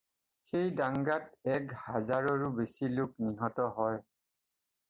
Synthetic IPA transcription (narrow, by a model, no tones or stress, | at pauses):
xejdaŋɡat̚ɛkhazaɹɔɹʊbesilʊkniɦɔtɔɦɔj